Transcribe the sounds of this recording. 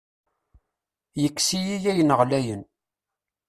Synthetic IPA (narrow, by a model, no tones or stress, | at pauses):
jəkːsijijæjənəʁlæjən